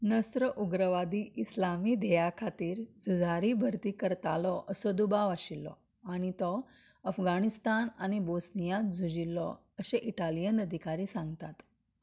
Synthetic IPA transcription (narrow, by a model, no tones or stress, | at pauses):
nəsɾəʔuɡɾəʋad̪iːislamiːd̪ʱejakʰat̪iːɾd͡zʱud͡zʱaɾiːbʱəɾt̪iːkəɾt̪alɔʔəsɔd̪ubaʋaɕilːɔ̰ | aɽ̃it̪ɔ | əfɡañist̪anañibosnijãt̪̚d͡zʱud͡ʑilːɔ̰ | əɕeʔiʈalijənəd̪ʱikaɾiːsãŋɡt̪at̪